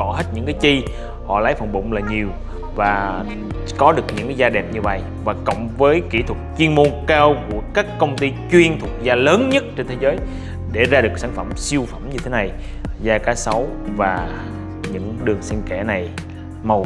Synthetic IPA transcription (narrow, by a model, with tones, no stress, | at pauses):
ɔ˧˩ɦe˦˥t̚ɲɨ̰˧˥ŋkaː˨˦jt͡ɕi˧ | hɔ̰˧˨laː˨˦jfə̰˧˩ŋ͡mɓʊ̰˧˨ŋ͡mlaː˨˩ɲi˨˩əw | vaː˨˩ | kɔ˨˦ɗɨ˨˩ək̚ɲɨ̰˧˥ŋkaː˨˦jzaː˧ɗɛ˨˩p̚ɲɨ˧va˧˩j | vaː˨˩kə̰˧˨wŋ͡mvəː˨˦jki˧˩t̪ʰwə˨˩t̚t͡ɕwi˧ənmo˧nkaː˧wku˧˩əkaː˦˥kːə˧wŋ͡mt̪i˧t͡ɕwi˧ənt̪ʰu˨˩ə˩k̚zaː˧ləː˨˦nɲə˦˥t̚t͡ɕe˧nt̪ʰe˨˦zəː˨˦j | ɗe˧˩zaː˧ɗɨ˨˩ək̚saː˧˩nfə̰˧˩msi˧əwfə˧˩mɲɨ˧e˨˦na˨˩j | zaː˧kaː˨˦sa˨˦wvaː˨˩ | ɲɨ̰˧˥ŋɗɨ˨˩əŋsi˧nkɛ̰˧˩na˨˩j | mə˨˩w